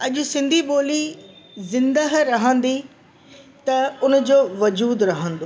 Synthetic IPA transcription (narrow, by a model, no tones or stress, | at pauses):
ɐʄʊ̆sɪ̃nd̪ʱiɓoːlizɪ̃nd̪əɦɾɐɦə̃nd̪i | t̪ɐʊnd͡ʑoːʋɐd͡ʑuːd̪ɾɐɦə̃n̆d̪o